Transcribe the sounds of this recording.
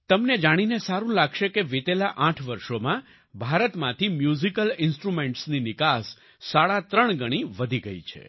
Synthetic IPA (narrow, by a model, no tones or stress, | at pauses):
t̪əmned͡ʒaɽ̃inesaɾũlaɡʃekeʋet̪elaʔãʈʰʋəɾʃomã | bʱaɾət̪mãt̪ʰimjuzikəlɪnsʈɾumeɳʈsninɪkasː | aɭat̪ɾəɳɡəɽ̃iʋəd̪ʱiɡəḭt͡ʃʰḛ